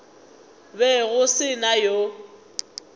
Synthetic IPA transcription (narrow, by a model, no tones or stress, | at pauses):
bɛɣʊsɪnajo